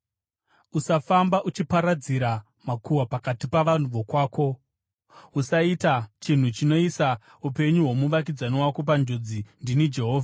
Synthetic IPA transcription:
usafambaʔut͡ʃipaɾad͡ziɾa | makuwapakatipaʋan̤uʋokwaːko̞ | usaitat͡ʃin̤ut͡ʃino̞iːsa | upe̞ɲuɦwo̞muʋak̬id͡zaniwakop̬and͡ʒo̞d͡zindinid͡ʒe̞ɦoːvʱaa

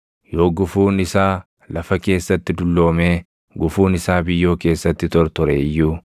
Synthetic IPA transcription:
jo̞ːɡʊfuːnɪsaː | lɐfɐke̞ːsːɐt̪ːɪd̪ʊlːo̞ːmeː | ɡʊfuːnɪsaːbɪjːo̞ːke̞ːsːɐt̪ːɪt̪ɔɾt̪ɔɾḛjːuː

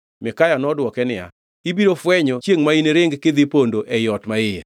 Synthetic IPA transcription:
mɪkajanɔdwɔkɛnɪa̰ | ibiɾofwɛɲot͡ʃjeŋmaineɾɪŋɡkɪd̪ipondoʔɛjɔtmaɪja̰

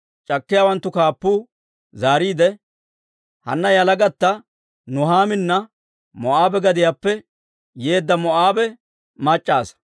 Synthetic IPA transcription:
t͡ʃʼɐkːɪjaːwɐnt̪ːʊkaːpːuː | zaːɾiːd̪ɛ | hɐ̰nːɐjɐlɐɡɐt̪ːɐ | nʊɦaːmɪnːɐ | mɔʔaːbɛɡɐd̪ɪjaːpːɛ | je̞ːd̪ːɐmɔʔaːbɛ | mɐt͡ʃʼːaːs

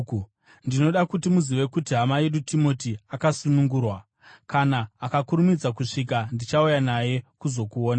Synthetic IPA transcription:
ndino̞ɗakutimuziʋe̞kutiɦamaje̞ɗutʰimo̞tiakasunuŋɡuːrwa | kanaːkakuɾumid͡zakuʂik̬andit͡ʃaujanaje̞kuzo̞kuoːna

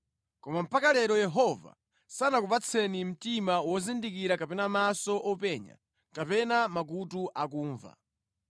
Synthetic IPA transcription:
kɔmam̩pʰakalɛɾɔjɛɦɔva̰ | sanakupat͡sʰɛnim̩timawɔzindikiɾakapɛnamasɔʔɔpɛɲa̰ | kapɛnamak̬utuʔak̬uːɱva̰

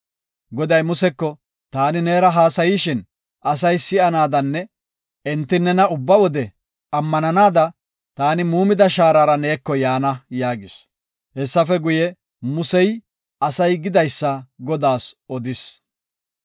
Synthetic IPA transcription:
ɡɔd̪ɐjmʊsɛkːɔ | t̪aːnɪneːɾɐɦaːsɐjiːʃɪn | ʔɐsɐjsɪɐnaːd̪ɐnːɛ | ɛnt̪ːɪnːɛnɐʊbːɐwɔd̪ɛ | ɐmːɐnɐnaːd̪ɐ | t̪aːnɪmuːmɪd̪ɐʃaːɾaɾɐne̞ːkːɔjaːnɐjaːɡɪs | hɛsːɐfɛɡʊjɛ | mʊsɛj | ɐsɐjɡɪd̪ɐjsːɐɡɔd̪aːsɔd̪ɪs

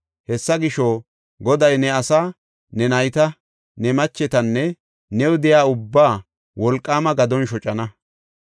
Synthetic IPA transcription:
hɛsːɐɡɪʃo | ɡɔd̪ɐjnɛɐsaː | nɛnɐjt̪ɐ | nɛmɐt͡ʃːɛt̪ɐnːɛ | nɛwʊd̪ɪjaːʊbːaː | wɔlkʼːaːmɐɡɐd̪ɔnʃɔt͡ʃʼɐnɐ

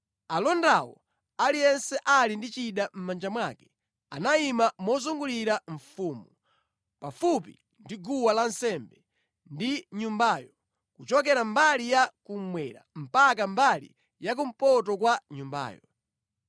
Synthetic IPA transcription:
alɔndawɔ̰ | alijɛnsɛʔalindit͡ʃiɗam̩mand͡ʒamwakɛ̥ | anaimamɔzuŋɡuliɾaɱ̩fuːmu | pafupḭ | ndiɡuwalansɛmbɛ | ndiɲumbaːjɔ | kut͡ʃɔk̬ɛɾambalijakum̩mwɛɾa̰m̩pak̬ambalḭ | jak̬um̩pɔtɔkwaɲumba̰ːjɔ

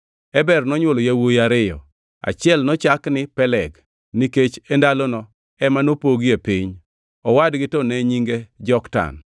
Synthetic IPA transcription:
ɛbɛrnɔɲwɔlojawojaɾɪjɔ̰ | a̰t͡ʃɪɛlnɔt͡ʃaknɪpɛlɛɡ | niket͡ʃɛndalɔnɔ | ɛmanopoɡiepiɲ | ɔwadɡɪtɔnɛɲiŋɡed͡ʒɔkta̰n

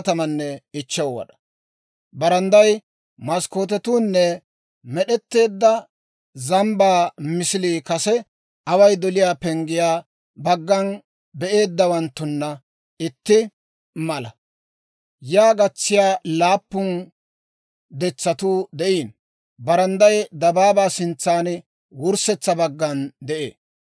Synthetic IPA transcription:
t̪ɐmɐnːɛɪt͡ʃːɐwwɐ̰ɗɐ̥ | bɐɾɐnd̪ɐj | mɐskoːt̪̬ɛt̪uːnːɛ | mɛɗɛt̪ːe̞ːd̪ːɐ | zɐmbaːmɪsɪliːkɐsɛ | ʔɐwɐjd̪ɔlɪjaːpɛŋɡɪjaː | bɐɡːɐn | bɛʔe̞ːd̪ːɐwɐnt̪ːʊnːɐ | ɪt̪ːɪ | mɐlɐ | jaːɡɐt͡sːɪjaːlaːpːʊn | d̪ɛt͡sːɐt̪uːd̪ɛʔiːn | bɐɾɐnd̪ɐjd̪ɐbaːbaːsɪnt͡sːaːn | wʊɾsɛt͡sːɐbɐɡːɐnd̪ɛʔḛː

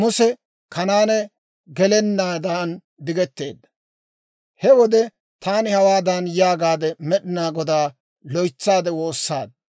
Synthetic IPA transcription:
mʊsɛ | kɐnaːnɛ | ɡɛlɛnːaːd̪an | d̪ɪɡɛt̪ːe̞ːd̪ːɐ̥ | hɛwɔd̪ɛ | t̪aːnɪhɐwaːd̪ɐnjaːɡaːd̪ɛmɛɗɪnaːɡɔd̪aː | lɔjt͡sːaːd̪ɛwo̞ːsːaːd̪

